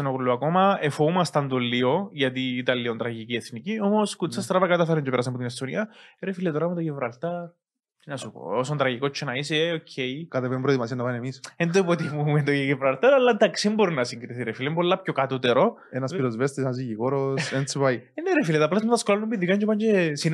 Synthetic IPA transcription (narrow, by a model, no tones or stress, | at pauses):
senokolːuɐkomɐefoumɐst̪ɐnd̪olːioʝɐt̪iːt̪ɐlːiont̪ɾɐʝicieθniciomoskut͡sːɐst̪ɾɐvɐkɐt̪ɐfeɾɐɲceeɾɐsɐpot̪inest̪oniɐɾefilet̪oɾɐmet̪oʝevɾɐlt̪ɐɾ | inɐsupo̰osont̪ɾɐʝikot͡ʃʰːenɐiseocʰːejkɐt̪epempɾoðimɐsiɐnːɐpaniemisend̪oipot̪imument̪ojevɾɐlt̪ɐɾɐlːɐnd̪ɐksimboɾinɐsiŋɡɾiθiɾefilembolːɐpçokɐt̪ut̪eɾo | enɐspiɾozvest̪esenɐzijiɣoɾosent͡sipaieneɾefilet̪ɐplɐzmeðɐskolɐlnːumbiðikɐɲɟepɐɲcesin